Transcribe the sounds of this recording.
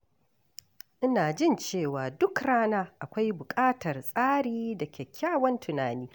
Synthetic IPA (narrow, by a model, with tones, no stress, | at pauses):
ʔɪ˦naː˨d͡ʒɪ˦nt͡ʃeː˦˨waː˨dʊ˦kɽaː˦naː˦ʔa˨kʷa˦jbʊ˨kʼaː˦tʰɐ˨rsʼaː˦ɽiː˦dɐ˨kʲe˨kʲʰːaː˦wɐ˦ntʰʊ˨naː˨niː˦